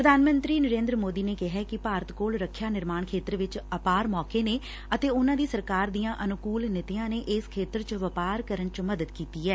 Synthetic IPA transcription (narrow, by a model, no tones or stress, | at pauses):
pɾəd̪ʱaːnmə̃nt̪ɾiːnəɾẽːnd̪ɾəmoːd̪iːneːkɪɦɛːkɪpaːɾət̪koːlɾəkʰːjaːnɪɾmaːɳkʰeːt̪ɾʋɪt͡ʃəpaːɾmɔːkeːneː | ət̪eːʊnãːd̪iːsəɾkaːɾd̪ijãːʔənʊkuːlnɪt̪ɪjãːneːʔɪskʰeːt̪əɾt͡ʃʋəpaːɾkəɾəɳt͡ʃməd̪əd̪kiːt̪iːɛː